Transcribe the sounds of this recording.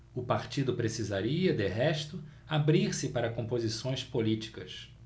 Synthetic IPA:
ʊpaɾt͡ʃid̪ʊpɾesizaɾiɐd̪ɪɦɛʃt̪ʊ | abɾiɾsɪpaɾɐkõmpozisõj̃spolit͡ʃi̥kɐs

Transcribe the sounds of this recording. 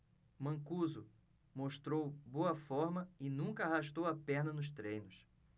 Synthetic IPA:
mɐ̃kuzʊ | moʃt̪ɾowboɐfɔɾmɐɪnũŋkɐaɦaʃt̪owɐpɛɾnɐnʊʃt̪ɾẽjnʊs

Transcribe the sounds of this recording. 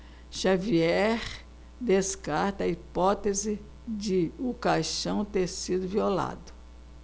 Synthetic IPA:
ʃaviɛɾ | d̪eskaɾt̪ɐɐipɔt̪ezɪ | d͡ʒɪʊkajʃɐ̃w̃t̪eɾsid̪ʊviola̰d̪ʊ

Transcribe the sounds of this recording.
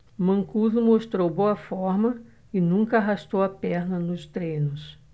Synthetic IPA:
mɐ̃ŋkuzʊmoʃt̪ɾowboɐfɔɾmɐ | ɪnũŋkɐaɦaʃt̪owɐpɛɾnɐnʊst̪ɾẽjnʊs

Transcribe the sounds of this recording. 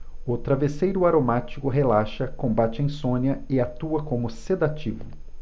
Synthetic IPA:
ʊt̪ɾavesejɾʊaɾomat͡ʃikʊɦelaʃɐkõbat͡ʃɪẽj̃sõnjɐɪat̪uɐkõmʊsed̪at͡ʃivʊ̰

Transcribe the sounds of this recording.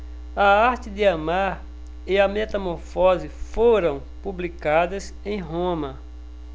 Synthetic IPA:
ɐaɾt͡ʃɪd̪ɪamaɾ | ɪɐmɛt̪ɐmoɾfɔzɪfoɾɐ̃w̃publikad̪ɐs | ẽj̃ɦõmɐ

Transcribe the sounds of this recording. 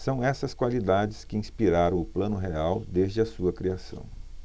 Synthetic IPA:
sɐ̃w̃ɛsɐskwalid̪ad͡ʒɪskɪĩspiɾaɾɐ̃w̃ʊplɐ̃nʊɦeawd̪ezd͡ʒɪɐsuɐkɾiasɐ̰̃w̃

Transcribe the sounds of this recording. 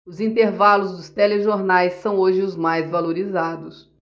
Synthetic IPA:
ʊzĩnt̪eɾvalʊzd̪ʊst̪eleʒoɾnajsːɐ̃w̃oʒɪʊzmajzvaloɾizad̪ʊs

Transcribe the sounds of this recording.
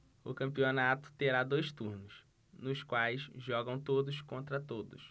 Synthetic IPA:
ʊkɐ̃mpionat̪ʊ̥t̪eɾad̪ojst̪uɾnʊs | nʊskwajsʒɔɡɐ̃w̃t̪od̪ʊskõnt̪ɾɐt̪od̪ʊ̰s

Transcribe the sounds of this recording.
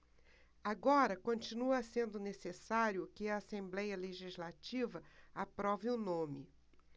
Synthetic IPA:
aɡɔɾɐkõt͡ʃinuɐsẽnd̪ʊnesesaɾjʊkɪɐasẽmblɛjɐleʒizlat͡ʃivɐapɾɔvɪʊnõmɪ̰

